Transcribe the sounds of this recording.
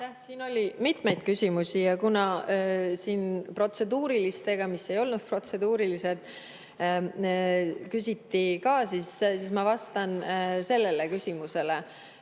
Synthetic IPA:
æhsiːno̞lʲimit̪ˑme̞jd̪̥̚kysʲimusʲijɑkunɑ | siːnpro̞t̪se̞d̪uːɾilist̪e̞ɡ̥ɑmise̞jo̞lnud̪̥̚pro̞t̪se̞d̪̥uːɾilise̞d̪̥ | kys̬ʲit̪ːikɑːsissismɑvɑst̪ɑnse̞lːe̞lekysʲimuse̞le̞

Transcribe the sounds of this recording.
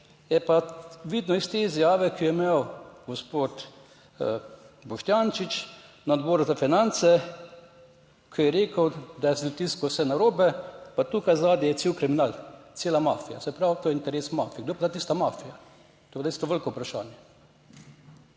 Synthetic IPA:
jɛpaʋid̪nɔist̪eizjaːʋɛkijɛimewɡɔspoːt̪ | bɔʃt̪jant͡ʃit͡ʃnaod̪boːɾuzafinant̪sɛ | kʰɔjɛɾeːkəwd̪ajɛslt̪iskowsɛnaɾoːbɛpat̪ukajzaːd̪jɛjɛt̪seːwkɾiminalt̪seːlama̰ːfija̰sɛpɾawt̪oːjɛint̪ɛɾesmaːfijaɡdojɛpad̪at̪ist̪amaːfija | t̪ojɛbpd̪at̪ist̪ʋɔʋəlkoupɾaʃaːnjɛ

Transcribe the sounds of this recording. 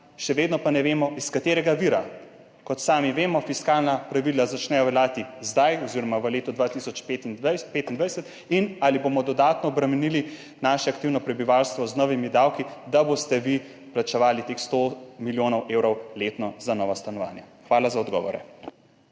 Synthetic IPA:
ʃɛʋeːd̪nɔpanɛʋeːmɔiskat̪eːɾɛɡaʋiːɾa | kɔt̪saːmiʋeːmɔfiskaːlnapɾaʋilazat͡ʃnɛjɔʋɛlaːt̪izd̪ajɔziɾɔmaʋəleːt̪ɔd̪ʋat̪isɔt͡ʃpet̪inapeːt̪ind̪ʋajsɛt̪ | inalibomɔd̪ɔd̪aːt̪nɔːbɾɛmɛnili | naːʃɛakt̪iwnɔpɾɛbiʋalst̪ʋɔznɔʋimid̪awkid̪abost̪ɛʋi | plat͡ʃɛʋaːlit̪eːxst̪omiljoːnɔwʔeːwɾɔwleːt̪nɔzanɔʋast̪anɔʋa̰ːnjaxʋaːlazaɔd̪ɡɔ̰ːʋɔ̰ɾɛ̰

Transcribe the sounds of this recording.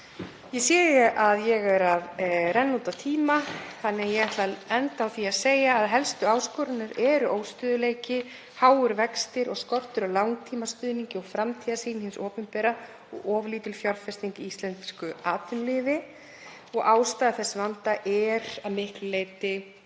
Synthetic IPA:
jɛsjɛːðɪʔaðjɛɣɛɾaðrɛnːut̪at̪ʰiːmaθanːɛːajɛɣaht̪laɛnt̪aaːwθiaðseːjaːðɦɛlst̪ʏaːwskɔɾɪnʏɾɛɾʏʔoːwst̪ʏːðʏleːjcɪ | haːwʏɾvɛkst̪ɪɾɔɣskɔr̥t̪ʏɾalawŋt̪ʰiːmast̪ʏːðniɲcɪɔɣfɾamt̪ʰiːðasiːnhɪnsɔːpʏnpɛːɾa | ɔ̰ɣɔːvliːt̪ɪlfjɔɾfɛst̪niŋcist̪lɛnt̪ɪ̥skʏaːt̪ʏnlɪːvɪ | ɔɣʔaːwst̪aːðɪθɛsːɪvant̪aʔɛɾaðmɪhklʏleːjt̪ɪ

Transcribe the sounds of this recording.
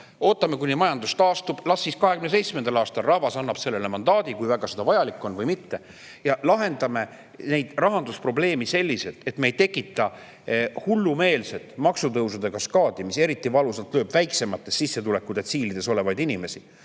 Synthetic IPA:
o̞ːt̪ːˑɑme̞kunʲːimɑjɑnd̪ust̪ɑːst̪ub̥lɑsːiːskɑɦe̞ɡ̥ymnese̞jt̪sme̞nd̪ɑlɑːst̪ɑlrɑvɑsɑnːɑb̥se̞lːe̞le̞mɑnd̪ɑːd̪̥ikujvæɡ̥ɑse̞d̪ɑvɑjɑlikːˑo̞nvɤjmit̪ːe̞ | jɑlɑɦe̞nd̪̥ɑme̞ | nejd̪̥rɑɦɑnd̪uspro̞ble̞ːmise̞lʲːise̞lt̪ˑe̞t̪mejt̪e̞kːˑit̪ːˑɑ | hulːume̞ːlse̞t̪ːˑmɑksut̪ɤwsud̪e̞kɑskɑːd̪̥imise̞ɾit̪ˑːivɑlusɑlt̪løːbvæjkse̞mɑt̪ˑːe̞sːisːe̞t̪ule̞kːˑud̪̥e̞t̪siːlid̪eso̞le̞vɑjd̪inime̞si

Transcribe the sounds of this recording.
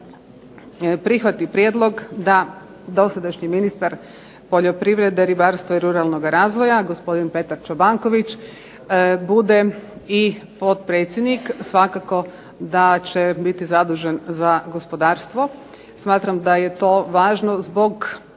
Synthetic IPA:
pɾixʋat̪ipɾjeːd̪lˠo̞ɡd̪a | d̪o̞sad̪aʃɲiminist̪aɾ | poʎo̞pɾiʋɾe̞d̪eɾibaːɾst̪ʋaiɾuɾalˠno̞ɡaɾaːzʋojaɡo̞spo̞d̪inpe̞t̪aɾt͡ʃobaŋko̞ʋit͡ʃ | bud̪eipo̞t̪̚pɾe̞ːt̪sʲjed̪niksʋakako̞ | d̪at͡ɕebit̪izad̪uːʒenzaɡo̞spo̞d̪aːɾst̪ʋo̞ | smaːt̪ɾamd̪aje̞t̪o̞ːʋaːʒno̞zbo̞ɡ

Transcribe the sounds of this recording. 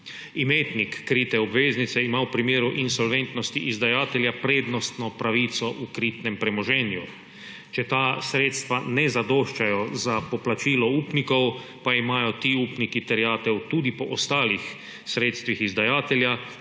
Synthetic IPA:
imeːt̪nikːɾiːt̪ɛɔbʋeːznit̪sɛimawpɾimjeːɾuʔinsɔlʋent̪nɔst̪iʔizd̪ajaːt̪ɛljapɾeːd̪nɔst̪nɔpɾaʋiːt̪sɔʔukɾiːt̪nɛmpɾɛmɔʒɛːnju | t͡ʃɛt̪aːsɾeːt̪st̪ʋanɛzad̪oːʃt͡ʃajɔzapɔplat͡ʃiːlɔuːpnikɔw | paimaːjɔt̪iːuːpnikit̪ɛɾjaːt̪ɛwt̪uːd̪ipɔʔɔst̪aːlix | sɾeːt̪st̪ʋixizd̪ajaːt̪ɛlja

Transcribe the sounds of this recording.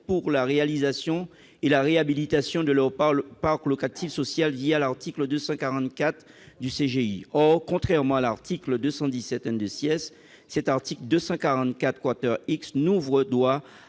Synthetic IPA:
puʁlaʁealizasjɔ̃ | elaʁeabilit̪asjɔ̃d̪əlœʁpaʁklɔkat̪ʰifsɔsjalvijalaʁt̪ikləd̪øsɑ̃kaʁɑ̃t̪kat̪χ | d̪yseʒeiɔʁkɔ̃t̪χɛʁmɑ̃alaʁt̪ikləd̪øsɑ̃d̪isɛt̪ɛ̃d̪əsjɛsː | ɛt̪aʁt̪ikld̪øsɑ̃kaʁɑ̃t̪kat̪kwat̪œʁiksnuvʁəd̪wa

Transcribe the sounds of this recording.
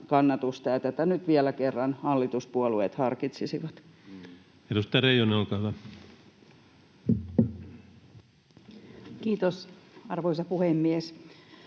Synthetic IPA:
kɑnːɑt̪ust̪æːt̪et̪ːænyt̪ʋiɛlækerːɑnhɑlːit̪uspuoluet̪hɑrkit̪sisiʋɑt̪ | edust̪ɑɑrejoneolkɑːhyʋæ | kiːt̪osɑrʋoisɑpuhemːies

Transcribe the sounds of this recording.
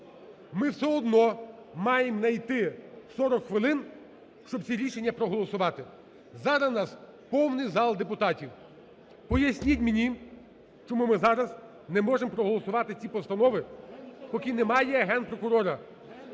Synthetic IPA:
mɪwsɛɔd̪nɔmɑjemnɐjt̪ɪsɔɾɔkxʋɪlˠɪn | ʃt͡ʃɔb̚t͡sʲiɾʲiʃenʲːɐpɾɔɦɔlˠɔsʊʋɑt̪ɪ | zɑd̪ɐnɑs | pɔwnɪjzɑlˠd̪epʊt̪ɑtʲiw | pɔjɐsʲnʲitʲmenʲi | t͡ʃɔmumɪzɑɾɐz | nemɔʐempɾɔɦɔlˠɔsʊʋɑt̪ɪt͡sʲipɔst̪ɐnɔʋɪpɔkinɛmɑjɛɦɛnpɾɔkʊɾɔɾɐ

